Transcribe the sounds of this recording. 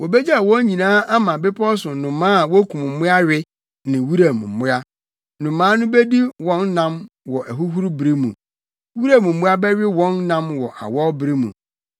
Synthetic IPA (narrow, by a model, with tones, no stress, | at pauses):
wɔ˨bɛ˦d͡ʑɛ˦a˨wɔ̃˦ɲĩ˨nãː˦a˦mã˨bɪ˦pʰɔ˦sʊ̃˨nʊ̃˨mãː˦a˨wɔ˦kʰũ˨m˨m̩˨˦ʊ̃˦a˦ɥɪ˦ | nɪ̃˨wu˦ɾa˨mṵ̃˨m̩˨mʊ̃˦a˦ | nʊ̃˨mãː˦nʊ̃˦be˦di˦wɔ̃˦nːã˦m | wɔ˨ʔæ˨ɦu˦ɦu˦ɾbɾi˦mũ˨ | wu˦ɾa˦˨mũ˨mʊ̃˦a˦bɛ˦ɥɪ˦wɔ̃˦nːã˦mwɔ˨ʔa̰˨wɔ˦bɾi˦mṵ̃˨